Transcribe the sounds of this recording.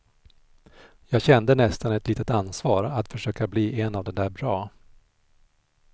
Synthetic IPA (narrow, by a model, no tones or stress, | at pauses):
jɑːɡɕɛnd̪ənɛst̪anɛt̪liːt̪ət̪ansvɑːɾat̪fœʂøːkabliːʔɛnːavd̪ɛnd̪æːɾbɾɑː